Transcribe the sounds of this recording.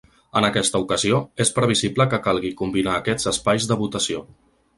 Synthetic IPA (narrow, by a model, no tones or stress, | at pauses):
ənəkɛst̪əukəzioespɾəβ̞izibləkəkalˠɣikumbinaːkɛz̥əspajzd̪əβut̪əsio